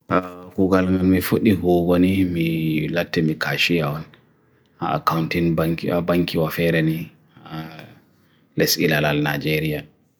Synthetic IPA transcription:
takuɡalŋɡalmifoɗihɔːɡɔnimilatːɛmikaʃijawɔn | ʔaa̰kawntinakabaŋkiwafɛːɾɛni | a | lɛsilalalnad͡ʒɛɾija

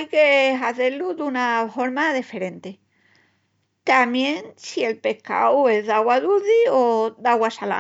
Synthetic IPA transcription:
jkeɦaθe̞ɾluðunafo̞ɾmaðife̞ɾẽ̞nt̪e | t̪amjẽ̞ŋsie̞lpe̞hka̰we̞zðaɣwaðuðioðaɣwasala̰

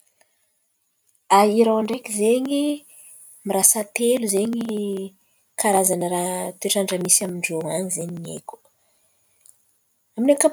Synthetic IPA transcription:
aiɾawaɳɖ͡ʐekizeɲi | miɾasat̪eluzeɲi | kʰaɾazanəɾat̪eʈ͡ʂaɳɖ͡ʐəmisiamiɳɖ͡ʐowaɲizeɲiɲḛku̥ | aminaka

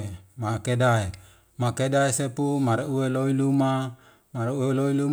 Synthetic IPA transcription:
makedae | makedaesepumaɾeueloiluma | maɾeueloilu

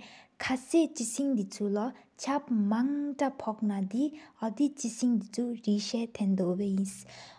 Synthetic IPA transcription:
kʰaseʔt͡ɕisʰiŋd̪it͡sʰula | t͡ɕʰap̚maŋʈ͡ʂapʰɔk̚nad̪iad̪it͡ɕisʰiŋd̪it͡sʰuɹiɕɛːt̪ʰɛnd̪opejis

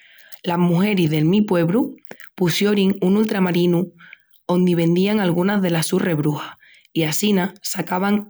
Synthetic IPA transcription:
laɦmuɦe̞ɾiðe̞lmipwe̞βɾupusjoɾiŋunult̪ɾamaɾinu | o̞nd̪iβ̞ẽ̞nd̪iaŋalɣunazðe̞lassure̞βɾuha | iasinasakaβaŋ

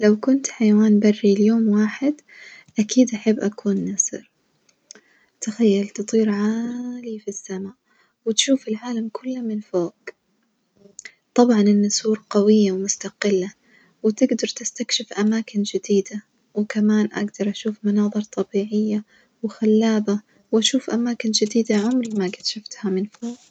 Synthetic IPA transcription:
lawkʊnt̪ħajawaːnbarːiljoːmwaːħɪd̪ | ʔakiːd̪ʔaħabːʔakʰuːnːasɨ̰ɾ | t̪axajːalt̪ɨt̪ˤiːɾʕaːlifisːamaːʔ | wɪt̪ʃuːfɪlʕaːlamkʰʊlːamɪnfoːɡ̥ | t̪ˤɑbʕɑnɪnːasuːɾqawɪjːawmʊst̪aqɪlːa | wɪt̪ɪɡd̪ɑɾˤt̪ɪst̪akʃɪfʔamaːkɪnd͡ʒɪd̪iːd̪a | wɪkamaːnʔa̰ɡd̪ɑɾˤʔaʃuːfmʊnɑːðˤɨɾˤt̪ˤɑbiːʕɪjːa | wɪxalːaːba | wʔaʃuːfʔamaːkɪnd͡ʒɪd̪iːd̪aʕʊmɾmaɡɪt̪ʃʊft̪hamɪnfoːɡ

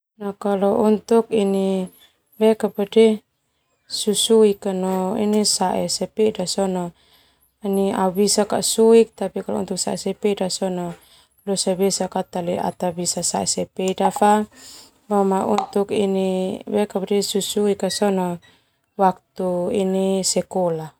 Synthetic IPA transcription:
nakalɔʔunt̪uk̚ini | bɛkapədɛ | susuikanɔḭnisaʔɛsɛpɛdasɔnɔ | inia̰bisaka̰ʔsuik̚t̪apikalɔ̰ṵnt̪uk̚saɛsɛpɛidasɔnɔ | lɔsabɛsakat̪alia̰t̪abisasaɛsɛpeidafa | bamaʔṵnt̪ukinibɛkapdɛsusuikasɔnɔ | wak̚t̪uinisɛkɔla

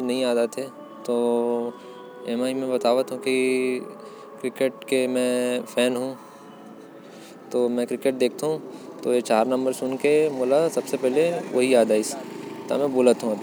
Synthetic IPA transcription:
nɐɦĩaːd̪at̪ʰe | t̪oː | eːmaimẽbɐt̪aːʋət̪ɦũki | kɾɪkeʈkemɛ̃fʰɛːnɦũ | t̪oːmɛ̃kɾɪkeʈ̚d̪eːk̚ʰt̪aɦũt̪oːjet͡ʃaːɾnɐ̃mbəɾsʊnkemoːlasɐbsepɛɦleʋɐɦiaːd̪aɪst̪a̰mɛ̃boːlət̪ɦũɐbʱi

